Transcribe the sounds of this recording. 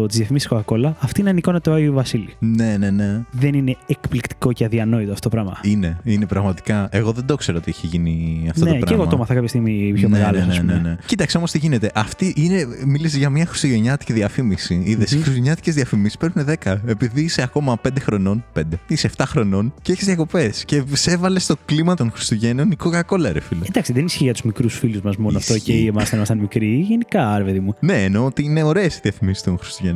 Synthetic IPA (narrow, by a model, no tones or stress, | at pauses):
t̪izðjɐfimisisxokɐko̞lɐɐft̪inɐniko̞nɐt̪oɐiovɐsiline̞ne̞neðenine̞ekplikt̪i̥ko̞ceɐðiɐno̞it̪oɐft̪otopɾɐmɐ̰ine̞ine̞pɾɐɣmɐt̪i̥kɐe̞ɣo̞ðend̪okseɾoot̪iiçeʝiniɐft̪oopɾɐeɣomomɐθɐkɐpçɐst̪iɣmipçonmeeɣɐlsnesnenecit̪ɐkseo̞most̪iʝinet̪e̞ʔɐft̪iʔine̞milis̬izʝɐmɲɐxɾi̥siʝeɲɐt̪i̥ciðiɐfimisiiðesixɾiszeɲɐt̪i̥cezðiɐfimisi̥spɾepuneðe̞kɐe̞piðiseɐko̞mɐpe̞nd̪e̞xɾo̞no̞npe̞nd̪eiseːft̪ɐxɾo̞no̞nceçizðjɐko̞pe̞sce̞se̞vɐlest̪o̞klimɐt̪onxɾist̪uʝe̞no̞nikokɐko̞lɐɾefilod̪ɐksiðenisçiʝɐt̪uzmikɾusfiluzmɐzmonnoɐft̪oceiemɐst̪ɐnmɐst̪ɐnmikɾiʝenikɐɾepeðimune̞ːnoːt̪iineo̞ɾe̞ːsiðiɐfimisi̥t̪onxɾi̥st̪uʝen